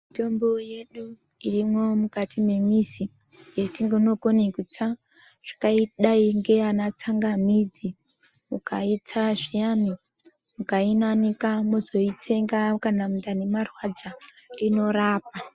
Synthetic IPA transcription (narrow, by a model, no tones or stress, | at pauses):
mmito̞mbo̞je̞ɗu | irimomukatʰime̞misi | jetiŋɡonokonekut͡sa | ʐ̥ḁkaiɗaiŋɡe̞anat͡saŋɡamid͡zi | mukait͡sʰaʐijani | mukainanikamozo̞itʰe̞ŋɡakanamundanemarwad͡zaino̞ɾaːp̚a